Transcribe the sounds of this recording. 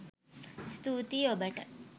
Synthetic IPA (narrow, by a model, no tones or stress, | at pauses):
st̪ut̪iobɐʈɐ